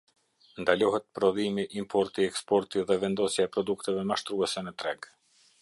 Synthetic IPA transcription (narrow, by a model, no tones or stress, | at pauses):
nd̪alɔɦɛt̪̚pɾɔðimiʔimpʰɔɾt̪iɛkspɔɾt̪iðɛvɛnd̪ɔsjaɛpɾɔd̪ukt̪ɛvɛmaʃt̪ɾuɛsɛnət̪ɾɛɡ